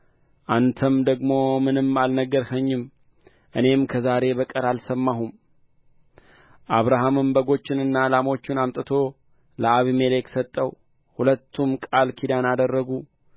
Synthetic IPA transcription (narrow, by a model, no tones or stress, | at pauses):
ʔant̪ʰəmd̪əɡmo̞mɨnɨmalnəɡːəɾhəɲːɪm | ʔɨne̞mkʰəzaɾe̞bəkʼəɾalsəmːaɦum | ʔaβɾaɦamɨmbəɡo̞t͡ʃːɪnɨnːalamo̞t͡ʃːɪnamt̪ʼɨt̪ʰo̞ | ləaβime̞leksət̪ʼːəw | hulət̪ʰːumkʼalkʰid̪anad̪ərːəɡu